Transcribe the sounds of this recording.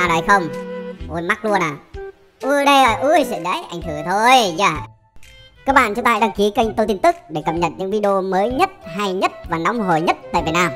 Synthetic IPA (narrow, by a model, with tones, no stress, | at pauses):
a˨˩nə˨˩jxə˧wŋ͡mmo˨˦jma˦˥k̚lu˧ənaː˨˩ | ʔɨ˧˩ɗə˧jʔəː˨˩jʔɨ˧˩sɨ̰˧˥ɗə̰˧˥jʔa˧˩jŋ̟t̪ʰɨ˧˩t̪ʰo˧jza̰ː˧˩ | kaː˦˥k̚ɓa̰ː˧˨t͡ɕɔ˧˩t̪a̰ː˧˨jɗaː˧ŋki˨˦ka˧jŋ̟t̪ə˧t̪i˧əmt̪ɨ˦˥k̚ɗe˧˩kə˨˩p̚ɲə̰˨˩t̚ɲɨ̰˧˥ŋvi˧ɗo˧məː˨˦jɲə˦˥t̚ɦa˧jɲə˦˥t̚vaː˨˩na˨˦wŋ͡mɦo˨˩jɲə˦˥t̚t̪a̰ː˧˨vi˨˩naː˧m